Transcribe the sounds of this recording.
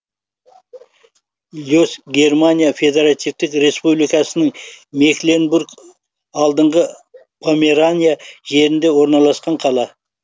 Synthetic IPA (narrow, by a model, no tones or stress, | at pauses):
lʲosɡʲe̞rmanʲijafʲe̞d̪e̞ɾat̪ijft̪ɪkɾe̞spublijkɑsənəŋme̞klʲenburk | ɑlˠd̪əɴʁə | pʰomʲeɾanʲijaʒe̞ɾɪnd̪e̞wo̞ɾnɑlˠɑsqɑɴqʰɑlˠɑ